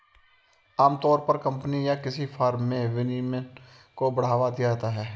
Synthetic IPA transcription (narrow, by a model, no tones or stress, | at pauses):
aːmt̪ɔːɾpəɾkə̃mpənijakɪsifʰaːɾmːẽʋɪnime | kobəɽ̤aːʋad̪ijat̪aɦɛː